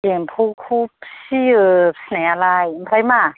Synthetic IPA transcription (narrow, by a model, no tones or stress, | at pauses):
empʰukʰup̚siɯpsnaalajmpʰɾajma